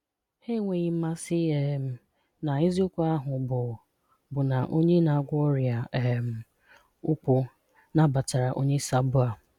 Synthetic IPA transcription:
he˦ŋʷe˨ɲi˨˦ma˦sɪ˦e˨m̩˦ | na˨i˦zi˦ʊ˦kʷu˦a˦ɦʊ˨bʊ˨ | bʊ˨na˨ʔo˦ɲe˦na˨ɡʷɔ˦ɾja˨m̩˨ | ʊ˦k͡pʊ˦ | na˦ba˨ta˨ɾa˨ʔo˦ɲe˦sa˦bʊ˦a˨

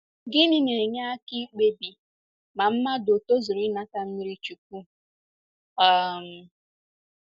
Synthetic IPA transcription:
ɡɪ˦ni˦ne˨ɲa˦a˦ki˦k͡pe˦bi˨ | ma˨m̩˦ma˦do˨to˦zu˨ɾi˦na˦ka˦m̩˦mi˦ɾi˦t͡ʃu˨k̚u˦ | a˦˨m̩˨

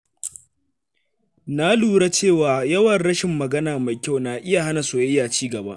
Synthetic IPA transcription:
naː˦luː˨ɽa˦t͡ʃeː˦˨waː˨jɐ˦wɐ˨nɽɐ˦ʃɪ˨mːɐ˨ɡɐ˦naː˨ma˨jkʲa˦wnaː˨ʔɪ˦ja˨ɦa˦na˨soː˨jjaː˨t͡ʃiː˦ɡɐ˨ba˦ʔ

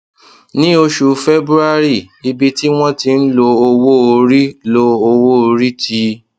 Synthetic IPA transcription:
nĩ˦o˧ʃu˨˧fe˦bɾu˦a˦ɾi˦˨ | i˧bi˧ti˦w̃ɔ̃˦ti˧n̩˦lo˧o˧wo˦o˧ɾi˦lo˧o˧wo˦o˧ɾi˦tʰi˧˦

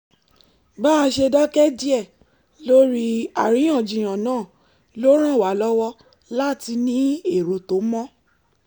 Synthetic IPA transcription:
ba˦a˧ʃe˧dɔ˦kɛ˦d͡ʒi˦ɛ˦˨ | lo˦ɾi˦a˨ɾĩ˨˦j̃ã˦˨d͡ʒĩ˨j̃ã˨nãː˨˦˨ | lo˦ɾ̃ã˦˨wa˨˦lɔ˦wɔ˦ | la˦˨ti˧nĩ˦e˦˨ɾo˨to˨˦mɔ̃˦

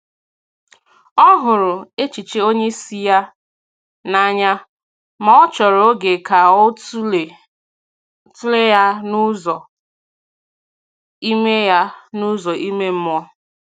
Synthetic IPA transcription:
ɔ˦ɦʊ˨ɾʊ˨e˦t͡ʃi˨t͡ʃe˦o˦ɲe˦si˦ja˦ | na˦ɲa˦ | ma˨ɔ˦t͡ʃɔ˨ɾo˦ɡe˨ka˨o˦tu˦e˨˦ | tu˦le˦ja˦nu˦zɔ˨ | i˦me˦ja˦nu˦zɔ˨ʔi˦me˦m̩˦m˦ɔ˦

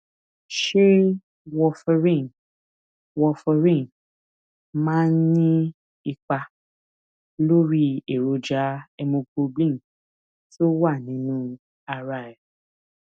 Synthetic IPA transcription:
ʃe˦ | wɔ˧fɛ˧ɾĩ˦˨ | wɔ˧fɔ˧ɾĩ˦˨n˨ | mãː˦n̩˦nĩ˦ | i˧k͡pa˧ | lo˦ɾi˦e˨ɾo˧d͡ʒa˨˦ɛ˧mõ˧ɡ͡bo˧ɡ͡blĩ˦˨ | to˦wa˦˨nĩ˨˦nũ˦ | a˧ɾa˧˨ɛ˨

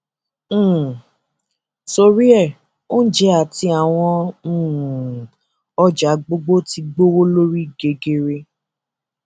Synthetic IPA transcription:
so˧ɾi˦ɛ˦˨ | o˦n̩˦d͡ʒɛ˨˦a˨ti˧˦a˨w̃ɔ̃˧˦˨ | ɔ˦d͡ʒa˨˦ɡ͡bo˦ɡ͡bo˦ti˧ɡ͡bo˦wo˦lo˦ɾi˦ɡe˨ɡe˧ɾe˧

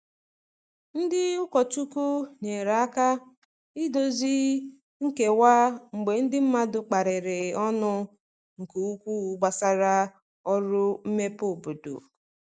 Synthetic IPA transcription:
n̩˦dɪ˦ʊ˦kɔ˨tu˦ku˦ne˨ɾa˨a˦ka˦ | ɪ˦do˨zi˦ | ŋ̩˦ke˨wa˦ŋ͡m̩˨ɡ͡be˨n̩˦dɪ˦m̩˦ma˦dʊ˨k͡pa˨ɾɪ˨ɾɪ˨ɔ˦nʊ˦ | ŋ̩˨ke˨u˦kʷu˦˨ɡ͡ba˨sa˦ɾa˦ | ɔ˦ɾʊ˦m̩˦me˦po˦˨bo˨dṵ˨

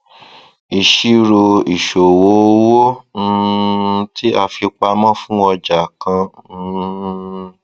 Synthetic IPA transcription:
i˨ʃi˦ɾo˧i˨ʃo˨wo˨˦wo˦˧ | tʰi˦a˧fi˧k͡pa˧mã˦fũ˦ɔ˧d͡ʒa˨kã˧˦˧

